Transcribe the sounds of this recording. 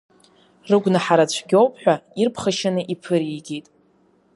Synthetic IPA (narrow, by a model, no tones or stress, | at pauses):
rɨɡʷnaħaɾat͡ɕʷʰɡʲowpʰʼħᶣʷairpʰχaʃanɨʔipʰɨɾiɡʲetʼ